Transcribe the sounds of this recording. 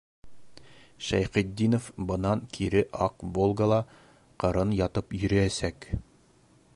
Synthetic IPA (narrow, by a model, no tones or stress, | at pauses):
ʃæjχid̪ːinofbɤ̆nɑŋkʰiɾɘʔɑqvolˠɡalˠɑ | qɤ̆ɾɤnjɑt̪ɤpjɵ̆ɾɘæsæk